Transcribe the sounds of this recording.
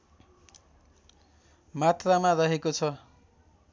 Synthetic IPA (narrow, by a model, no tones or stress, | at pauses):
mat̪ramaɾʌɦekot͡sʰʌ